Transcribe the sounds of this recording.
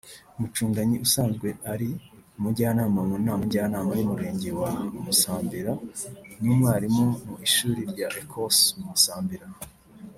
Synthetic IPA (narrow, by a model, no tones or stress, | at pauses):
umut͡ʃuːŋɡaɲiʔusaːnzɡwe̞ʔaɾimuɟaːnaːmamunaːmuɟaːnaːmajumuɾe̞ːɲɟe̞wamusaːmbiɾanumwaːɾimomuiʃuːɾiɾɟaʔekʰosumusaːmbiɾa